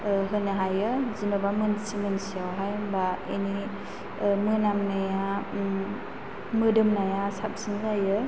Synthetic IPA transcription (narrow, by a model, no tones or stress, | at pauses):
ɦɯnaɦajɯzimabamɯnsimɯnsiawɦajbaḛni | mɯnamnaja | mɯdɯmnajasap̚sinɡajɯ